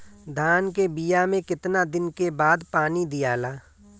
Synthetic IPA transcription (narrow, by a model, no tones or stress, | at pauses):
d̪ʱaːnkebijamẽkɪt̪nad̪ɪnkebaːd̪paːnid̪ɪjaːlaː